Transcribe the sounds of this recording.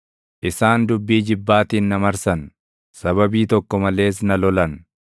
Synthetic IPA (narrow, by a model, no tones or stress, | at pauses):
ʔɪsaːnd̪ʊbːiːd͡ʒɪbːaːt̪iːnːɐmɐɾsɐn | sɐβɐbiːt̪ɔkːɔmɐle̞ːs̬nɐlɔlɐn